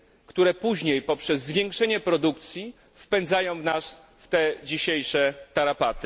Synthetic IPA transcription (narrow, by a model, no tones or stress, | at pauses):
kt̪uɾɛpuʑɲejpɔpʂɛzːvʲjɛ̃ŋkʂɛɲɛpɾɔd̪ukt̪sʲji | fpɛnd̪zajɔ̃w̃vnas | ft̪ɛd͡ʑiɕejʂɛt̪aɾapat̪ɘ